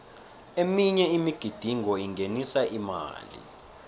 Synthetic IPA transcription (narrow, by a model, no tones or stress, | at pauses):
emiɲɛimiɡ̥ʱid̥ʱiŋʱɔiŋɡʱenisaʔima̰ːlḭ